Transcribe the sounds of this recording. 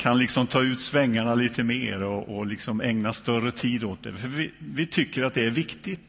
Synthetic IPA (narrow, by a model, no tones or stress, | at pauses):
kʰanlɪksɔmt̪ʰɑːʉ̟ːt̪svɛŋːaɳaliːt̪ʰəmeːɾɔʔɔlɪksɔmɛŋnast̪œrət̪ʰiːd̪oːt̪̚d̪ɛ̰fœɾvɪvɪt̪ʰʏkːəɾat̪̚d̪ɛæɾvɪkt̪ɪt̪